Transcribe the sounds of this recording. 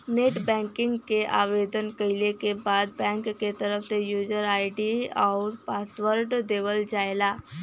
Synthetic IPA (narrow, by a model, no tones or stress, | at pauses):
neːʈbɛ̃ːŋkɪ̃ŋɡkeʔaːʋeːd̪ənkɐɪlekebaːd̪̚bɛ̃ːŋkːet̪ɐɾəfsejuːd͡ʒəɾaːɪɖiɔːɾpaːsʋəɾɖd̪eːʋəld͡ʒaːelaː